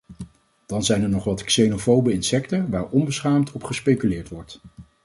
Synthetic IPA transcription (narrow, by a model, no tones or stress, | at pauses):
d̥ɑnzɛjnɛɹnɔχʋɑtksejnofowbəɪnsɛktəʋaːɹɔmbəsχaːmtʰɔpχəspejkylɪːɹtʋɔɹt